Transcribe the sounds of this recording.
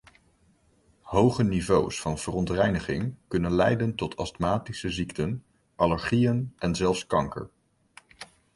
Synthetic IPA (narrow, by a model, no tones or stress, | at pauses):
ɦowχənivowsfɑnv̥ərɔntrɛjnəχɪŋkɵnənlɛjdəntɔtʰɑstmaːtisəziktən | ʔɑləɹχijənʔɛnzɛlˠfskɑŋkə̰ɹ